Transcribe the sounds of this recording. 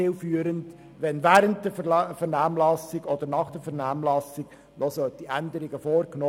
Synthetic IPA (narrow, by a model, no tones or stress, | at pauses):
ɪlfyːəɾənd | ʋɛnvæːɾənt̚dɛfɛɾfɛɾnɑːmlɑsɪɡɔd̥̪əɾnɑχd̥ɛfɛɾnɑːmlɑsɪɡ̥ | nɔsœtiʔændəɾɪɡəfoːɾknoː